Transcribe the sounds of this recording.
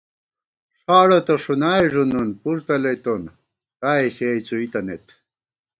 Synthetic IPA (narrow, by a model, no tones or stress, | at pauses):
ʂaːɽot̪oʂunaːjʐununpuɾt̪ɐlejt̪on | t̪aːiɕejt͡suit̪ɐnet̪